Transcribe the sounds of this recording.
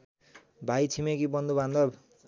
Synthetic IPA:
bʱajt͡sʰimekibʌnd̪ubʱãnd̪ʌ

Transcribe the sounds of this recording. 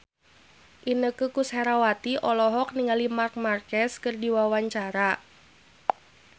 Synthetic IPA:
ʔinəkukushɛɾawat̪iʔɔlɔɦɔk̚niŋalimark̚markɛskərdiwawaɲt͡ʃaɾa

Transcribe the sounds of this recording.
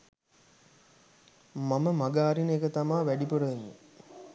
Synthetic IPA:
maməmaɡaːɾinekət̪amaːʋæɖipoɽəʋenːḭ

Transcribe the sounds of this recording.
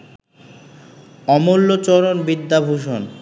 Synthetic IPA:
ɔmolːot͡ɕɔɾonbid̪ːabʱuʃon

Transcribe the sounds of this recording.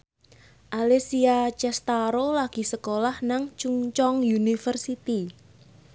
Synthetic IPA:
ʔalesiat͡ʃɛst̪aɾolaɡ̥i̤səkolahnaŋt͡ʃuŋt͡ʃɔŋjunifərsit̪i

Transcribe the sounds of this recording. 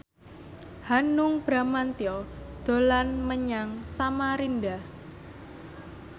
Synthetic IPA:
hanʊŋb̥ɾa̤mant̪iɔd̪̥o̤lanməɲaŋsamaɾindah

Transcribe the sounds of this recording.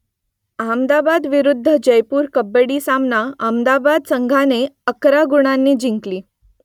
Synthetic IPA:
amd̪abad̪ʋiɾud̪ʱːəd͡ʑəjpuːɾkəbəɽiːsamnaəmd̪abad̪səŋɡʱaneəkɾaɡuɽ̃anːiːd͡ʑiŋkliː

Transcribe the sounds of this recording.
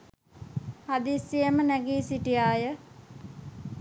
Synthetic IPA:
had̪isːijəmənæɡiːsiʈijaːjə

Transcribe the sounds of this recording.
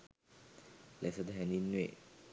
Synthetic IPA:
lɛsəd̪ɦɛninḛ

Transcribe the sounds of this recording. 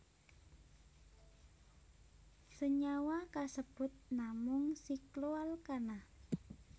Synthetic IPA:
səɲawakasəb̥ʊt̪̚namʊŋsikloalkana

